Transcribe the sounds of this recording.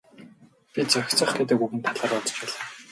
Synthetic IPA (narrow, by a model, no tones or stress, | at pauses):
pʲit͡sœxʲt͡sə̆χɡet̪ɘ̆kuɣɘ̆nt̪ʰaɮaːrɔt̪ɞ̥̆t͡ɕæɮaː